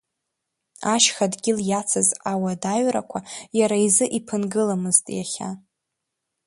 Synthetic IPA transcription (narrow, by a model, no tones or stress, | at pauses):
aʃχadɡʲɪljat͡sʰazawadaɥra̰kʷʰajaɾaizɨʔipʰɨnɡɨlamɨztʼjaχʲa̰